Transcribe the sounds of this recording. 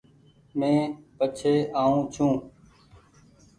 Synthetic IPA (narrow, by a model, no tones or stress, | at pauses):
mẽːpət͡ʃʰeːʔaːũːt͡ʃʰũː